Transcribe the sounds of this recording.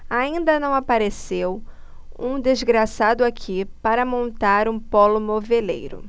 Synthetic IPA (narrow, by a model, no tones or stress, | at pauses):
aĩnd̪ɐnɐ̃w̃apaɾesew | ũd̪ezɡɾasad̪ʊakʰipaɾɐmõnt̪aɾũpɔlʊmovelḛjɾʊ̰